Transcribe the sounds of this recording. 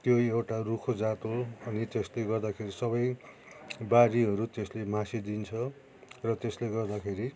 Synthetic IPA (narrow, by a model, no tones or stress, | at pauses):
t̪joewʈarukʰod͡zat̪oʌnit̪esleɡʌrd̪akʰeɾisʌβʌj | baɾiɦʌɾut̪eslemãsid̪int͡sʰʌ | rʌt̪esleɡʌrd̪akʰeɾi